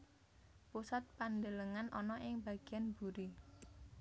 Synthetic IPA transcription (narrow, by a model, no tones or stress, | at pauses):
pusat̪̚pand̪ələŋanʔɔnɔʔɪŋb̥a̤ɡ̥ianbuɾi